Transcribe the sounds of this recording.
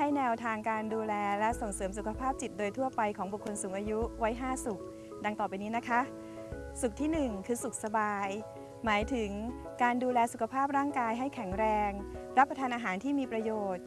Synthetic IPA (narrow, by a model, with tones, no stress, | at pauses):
ha˥˩jnɛː˧wt̪ʰaː˧ŋkaː˧nduː˧lɛː˧lɛ˦˥ʔso˨˩ŋsɤː˩˦msu˨˩kʰa˧pʰaː˥˩p̚t͡ɕi˨˩t̪̚doː˧jt̪ʰu˥˩ɐpa˧jkʰɔː˩˦ŋbu˨˩kʰːo˧nsuː˩˦ŋʔaː˧ju˦˥wa˦˥jɦaː˥˩su˨˩k̚ | da˧ŋt̪ɔː˨˩pa˧jniː˦˥na˦˥kʰa˦˥ | su˨˩k̚t̪ʰiː˥˩nɯ˨˩ŋkʰɯː˧su˨˩k̚sa˧baː˧j | maː˩˦jt̪ʰɯ˩˦ŋkaː˧nduː˧lɛː˧su˨˩kʰa˧pʰaː˥˩p̚ɾaː˥˩ŋkaː˧jɦa˥˩jkʰɛ˨˩˦ŋɾɛː˧ŋɾa˦˥pːɾa˧t̪ʰaː˧nʔaː˧ɦaː˩˦nt̪ʰiː˥˩miː˧pɾa˧joː˨˩t̪̚